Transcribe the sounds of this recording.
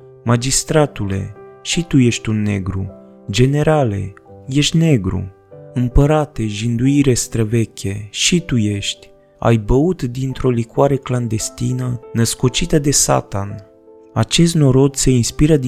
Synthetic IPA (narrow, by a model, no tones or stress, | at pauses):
mad͡ʒist̪ɾat̪ule̞̰ʃit̪uje̞ʃt̪ʲunːe̞ɡɾṵ | d͡ʒe̞ne̞ɾale̞̰je̞ʃt̪ʲne̞ɡɾṵ | ɨmpəɾat̪e̞ʒind̪uiɾe̞st̪ɾəve̞kʲe̞ʃit̪uje̞ʃt̪ʲ | a̰jbəut̪d̪int̪ɾo̞likwaɾe̞kland̪e̞st̪inənəsko̞t͡ʃit̪əd̪e̞sa̰t̪an | a̰t͡ʃe̞s̬t̪no̞ɾo̞d̪se̞inspiɾəd̪